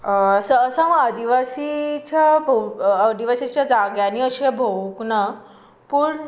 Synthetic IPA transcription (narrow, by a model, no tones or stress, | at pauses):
səːsaməad̪iʋasit͡ɕabʱod̪iʋasit͡ɕjad͡zaɡjaniəɕebʱoʋuknə | puɾɳ